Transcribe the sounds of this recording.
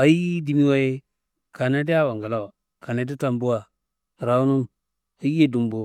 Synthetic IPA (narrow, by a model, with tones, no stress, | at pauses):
a˨ji˦di˨mi˦wa˦je˦ | ka˨na˦di˦ja˦wa˨ŋɡa˨la˦wa˨ | ka˨na˨di˦ta˨mbu˦wa˨ | ɾa˨u˦nu˦m | a˦ji˦je˦du˨mbo˨